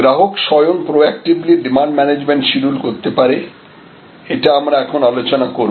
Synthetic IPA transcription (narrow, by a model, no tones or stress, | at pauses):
ɡɾaɦokʃɔjonpɾoɛk̚ʈibliɖimaɳɖmɛned͡ʑmeɳʈʃiɾulkoɾt̪epaɾe | eʈaamɾaɛkʰonalot͡ɕonakoɾ